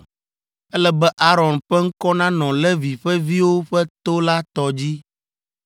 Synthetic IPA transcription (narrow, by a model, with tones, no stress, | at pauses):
ɛ˦lɛ˦bɛ˦ʔa˦ɾɔ̃˨nɸɛ˦ŋ̩˦kɔ˦nã˦nɔ̃˨lɛ˦vi˨ɸɛ˦vi˦wo˦ɸɛ˦t̪o˦la˦t̪ɔ˦d͡ʑi˦